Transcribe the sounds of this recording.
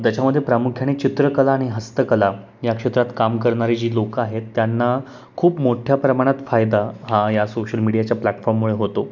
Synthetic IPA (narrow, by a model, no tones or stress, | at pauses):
t̪jat͡ɕaməd̪ʱːjepɾamukʰjaɽ̃et͡ɕit̪ɾəkəlaːɽ̃iɦəst̪əkəla | jakʂet̪ɾat̪kamkəɾɳaɾid͡ʑiːlokaɦet̪ːjanːa | kʰuːpmoʈʰjapɾəmaɽ̃at̪fajd̪aɦãjasoɕəlmiɽijat͡ɕjaplaʈfɔɾmːuɭeɦot̪o